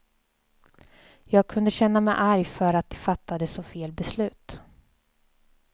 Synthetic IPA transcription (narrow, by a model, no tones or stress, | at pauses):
jɑːɡ̚kʰɵnd̪əɕɛnːamɛjʔaɾjfœɾat̪̚d̪ɛfat̪ːad̪əsɔfeːlbɛslʉ̟ːt̪